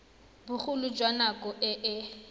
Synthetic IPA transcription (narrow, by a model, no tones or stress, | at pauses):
bʊχʊlʊd͡ʒwanakʼɔʔɪʔɪ